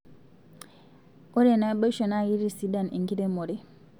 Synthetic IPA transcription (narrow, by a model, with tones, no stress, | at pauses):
o˦ɾe˦˨na˦bə˦ʃo˨na˦ji˦ɾi˦si˨˦da˦˨nḭ˨ŋɡi˦de˦mo˨ɾe˦